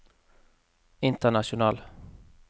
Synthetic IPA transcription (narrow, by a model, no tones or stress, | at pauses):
ɪnt̪əɳaʃʊnɑːl